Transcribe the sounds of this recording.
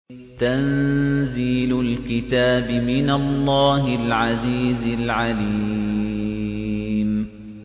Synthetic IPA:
t̪anziːllkɪt̪aːbɪmɪnalˤːɑːɦɪlʕaziːzɪlʕali | m

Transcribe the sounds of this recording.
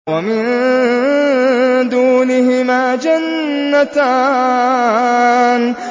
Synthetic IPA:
amɪn | d̪uːnɪɦɪmaːd͡ʒanːat̪aː | n

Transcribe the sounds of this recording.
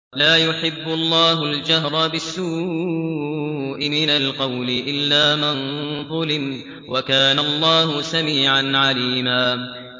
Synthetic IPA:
laːjʊħɪbːʊlˤːɑːɦʊld͡ʒaɦɾˤbɪsːuː | ʔɪmɪnalqɑwlɪʔɪlːaːmɪnðˤʊlɪm | wakaːnalˤːɑːhʊsamiːʕanʕaliːmaː

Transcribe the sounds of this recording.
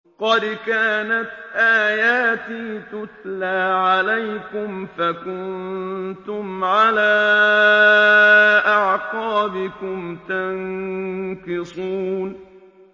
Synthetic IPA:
qɑd̪kaːnat̪ʔaːjaːt̪iːt̪ʊt̪laːʕalajkʊmfakʊnnt̪ʊmʕalaː | ʔaʕqɑːbɪkʊmt̪aŋ | kɪsˤuːn

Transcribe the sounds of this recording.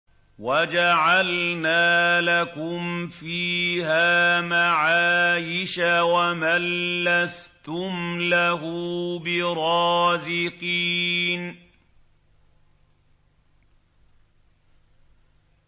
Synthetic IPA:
wad͡ʒaʕalnaːlakʊmfiːhaːmaʕaːjɪʃawamalːast̪ʊmlaɦuːbɪɾˤɑːzɪqiːn

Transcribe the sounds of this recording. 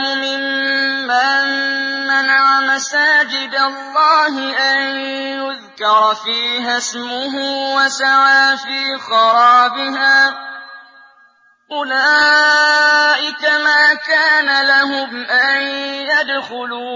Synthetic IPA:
ʊmɪmː | anmanaʕamasaːd͡ʒɪd̪alˤːɑːɦɪʔanjʊðkɑɾˤfiːɦasmʊɦuːwasaʕaːfiːxɑɾˤɑːbɪɦaː | ʔʊlaː | ʔɪkamaːkaːnalaɦʊmʔanjad̪xʊluː

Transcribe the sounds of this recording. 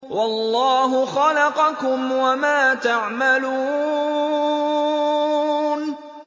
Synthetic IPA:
wɑlːɑːɦʊxɑlɑqɑkʊmwamaːt̪aʕmaluː | n

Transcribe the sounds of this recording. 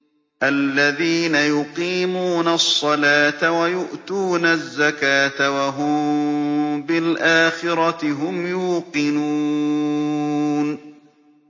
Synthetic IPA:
ʔalːaðiːnajʊqiːmuːnasˤːɑlaːt̪awajʊʔt̪uːnazːakaːt̪awaɦʊm | bɪlʔaːxɪɾɑt̪ɪɦʊmjuːqɪnuː | n

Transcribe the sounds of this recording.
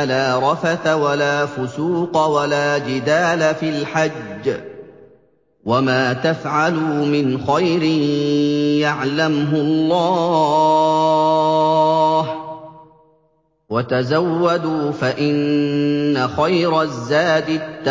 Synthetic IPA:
laːɾˤɑfaθawalaːfʊsuːqɑwalaːd͡ʒɪd̪aːlafilħad͡ʒː | wamaːt̪afʕalumɪnxajɾɪ | jaʕlamɦʊlˤːɑː | h | wat̪azawːad̪uːfaʔɪnː | axajɾazːaːd̪ɪt̪ː

